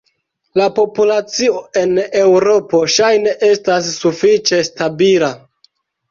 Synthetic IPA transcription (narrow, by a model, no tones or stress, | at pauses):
lapo̞pulat͡sio̞e̞ne̞wɾo̞po̞ʃajne̞ʔe̞stas̬ːufit͡ʃe̞stabila